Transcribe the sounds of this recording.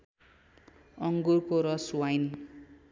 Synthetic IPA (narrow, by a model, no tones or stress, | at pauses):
ʌŋɡurkoɾʌswajn